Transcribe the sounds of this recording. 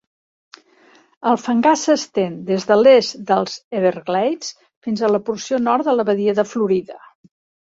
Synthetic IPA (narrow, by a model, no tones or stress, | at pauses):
əlˠfəŋɡasəst̪end̪ezðəlesd̪əlˠz̥eβəɾɣlɛjt͡s | finzələpuɾsionɔɾt̪d̪ələβəðiɛðəfluɾiðə